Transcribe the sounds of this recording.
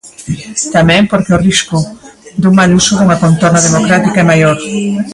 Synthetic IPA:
t̪amɛ̃mpoɾkeoriskʊd̪uŋmalusʊðuŋakont̪oɾnað̞emokɾat̪ikaɛmajoɾ

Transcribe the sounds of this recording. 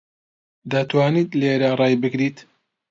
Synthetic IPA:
d̪at̪ʰwaːnit̪leːɾarˤɑːjbɨɡɾiːt̪

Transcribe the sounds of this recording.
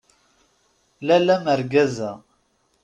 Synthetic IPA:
lælæməɾɡæzæ

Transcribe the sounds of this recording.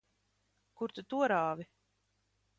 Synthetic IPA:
kuɾt̪ut̪uɔɾaːvi

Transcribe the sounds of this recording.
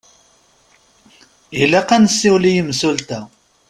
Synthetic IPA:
ilæqansːiwlijəmsult̪æ

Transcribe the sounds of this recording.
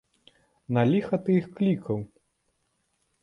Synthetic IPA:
nalʲixɐt̪ɨixklʲikʰɐw

